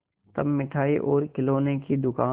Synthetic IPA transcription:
t̪ɐbmɪʈʰaːiʔoːɾkɪloːnekid̪ʊkaː

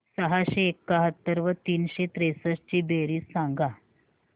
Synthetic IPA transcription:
səɦaɕeːkːaɦət̪ːəɾʋət̪iːnɕet̪ɾesəst͡ɕiːbeɾiːsːãŋɡa

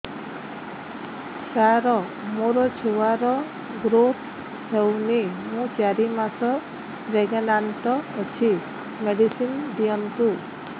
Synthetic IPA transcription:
saɾɔ | moɾɔt͡ʃʰuwaɾɔ | ɡɾot̪ | hewnimũt͡ʃaɾimasɔ | ɾeɡenanʈ̪ɔːt͡ʃʰi | meɖisind̪ijɔnt̪u

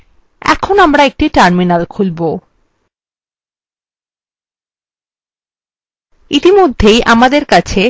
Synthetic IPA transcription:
ɛ̰kʰonamɾaek̚ʈiʈaɾminalkʰulbo | it̪imod̪ʱːejʔamad̪eɾkat͡ɕʰe

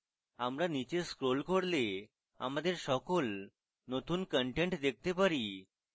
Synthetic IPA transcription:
amɾanit͡ɕeskɾolkʰoɽle | a̰m̤ad̪eɾsɔkol | not̪uːnkəɳʈeɳʈd̪ek̚t̪epəɾi

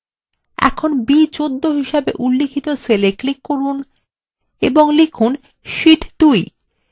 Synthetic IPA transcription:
ɛ̰kʰonbit͡ɕod̪ːoɦiʃabḛʔulːikʰit̪oseleklikːoɾun | ḛboŋlikʰun | ʃiʈd̪̥uj

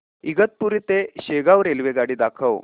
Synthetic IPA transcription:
iɡət̪̚puɾit̪eɕeɡaʋɾelʋeɡaɽiːd̪akʰəw

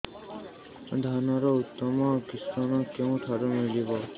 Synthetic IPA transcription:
d̪ʱanɔɾɔut̪ːɔmɔkist̪anɔkeũʈʰaɾumilibɔ

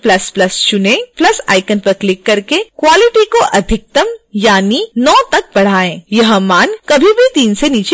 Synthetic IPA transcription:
plɐsplɐst͡ʃʊnẽplɐsa̰ːɪkənpɐɾklɪkːɐɾkekwaːlɪʈikoʔɐd̪ʱɪk̚t̪əmjaːninɔːt̪ɐk̚bɐɽ̤aːẽːjɐɦmaːnkɐbʱibʱit̪iːnseniːt͡ʃe

